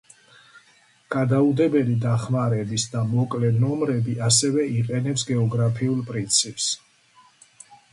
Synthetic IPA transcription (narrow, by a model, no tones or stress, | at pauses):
ɡ̥ad̪aud̪ɛbɛlid̪aχmaɾɛbisd̪amɔkʼlɛnɔmɾɛbiʔasɛvɛiqʼɛnɛpsɡɛɔɡɾapʰiulˠpʼɾint̪sʰipʼs